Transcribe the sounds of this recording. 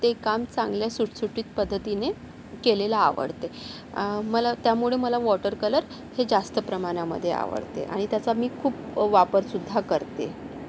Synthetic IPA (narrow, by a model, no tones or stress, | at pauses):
t̪ekamt͡sãŋɡljasuʈsuʈiːt̪̚pəd̪ʱːət̪ine | kelela̰ːʋə̰ɽt̪e | məlat̪jamuɭeməlaʋɔʈəɾkələɾ | hed͡zast̪əpɾəmaɽ̃amə̰d̪ʱːjḛa̰ʋə̰ɽt̪ḛʔa̰ɽ̃it̪jat͡samiːkʰuːpʋapəɾsud̪ʱːakəɾt̪ḛ